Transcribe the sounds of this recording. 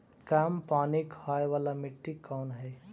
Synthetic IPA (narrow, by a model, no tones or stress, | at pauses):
kaːmpaːnikhaːjʋaːlamɪʈːikːanɦɛj